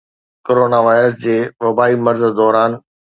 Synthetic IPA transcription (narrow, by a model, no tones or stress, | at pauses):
koːɾoːnaʋaːɪɾəs̬d͡ʑeːʋɐbaːimɐɾzd̪ɔːɾaːn